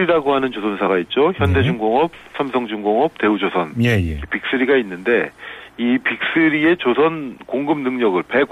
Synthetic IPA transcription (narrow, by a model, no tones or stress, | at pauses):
iɾaɡoɦanɯnt͡ɕosʰʌnsʰaɡait̚t͡ɕ͈oçjʌnde̞d͡ʑuŋɡoŋʌp̚sʰamsʰʌŋd͡ʑuŋɡoŋʌp̚te̞ud͡ʑosʰʌnjpik̚s͈ɯɾiɡainːɯnde̞ipik̚s͈ɯɾie̞t͡ɕosʰʌnkoŋɡɯmnɯŋɲʌɡɯɭpe̞